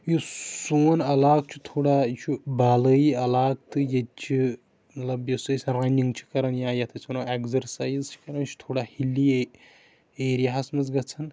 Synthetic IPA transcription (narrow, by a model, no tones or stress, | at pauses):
jusoːnɐlaːk̚t͡ʃʰit̪ʰoːɽat͡ʃʰibalɐiɐlaːk̚t̪ɨjɐt͡ʃʰi | mɐt̪lɐbjɐsuɐsʲrɐniŋɡt͡ʃʰi̥kɐɾɐnjãːjɐt̪ʰɐt͡sʰnɐeɡzɐɾsaːjzt͡ʃʰi̥kɐɾɐnt͡ʃʰi̥t̪ʰoːɽahili | eːɾijaɦasmɐzɡɐt͡sʰɐn